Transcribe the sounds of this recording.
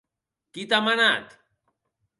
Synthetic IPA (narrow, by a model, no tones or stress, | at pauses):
kit̪amanat̪